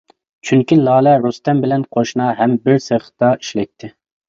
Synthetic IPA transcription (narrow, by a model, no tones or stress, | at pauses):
t͡ʃʰyŋkʲilˠɑːlɛɾust̪ɛmbɪlɛnqʰoʃnɑɦɛmbɪɾseχt̪ɑi̥ʃlɛk̚t̪ʰːɪ